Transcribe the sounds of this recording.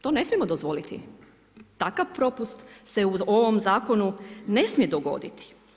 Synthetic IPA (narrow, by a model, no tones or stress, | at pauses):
t̪o̞ːne̞smijemo̞d̪ozʋo̞lit̪ḭ | t̪akaʋpɾo̞pust̪se̞uoʋomzaːko̞nune̞smije̞d̪oɡo̞̰d̪it̪i̥